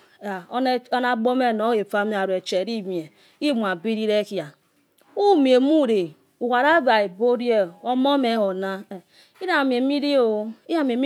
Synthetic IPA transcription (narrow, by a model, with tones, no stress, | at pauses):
a˨˦o˦na˦ɡ͡bo˦me˦˨no˦e˨fa˦m˦a˨ɾu˨e˨t͡ʃe˨ɾi˦mi˨e˨ | i˦˨mu˨a˨bi˦ɾi˦ɾe˦ki˦˨a˨ | u˦mi˨e˨mu˦˨ɾe˨ | u˨ka˨ɾa˦ba˨e˨bo˦ɾi˦e˦˨o˦mo˦me˨˦ho˨na˦˨ | i˦ɾa˨m˨e˨˦mi˦ɾi˦o˨˦i˦ja˦˨m˨e˨m˦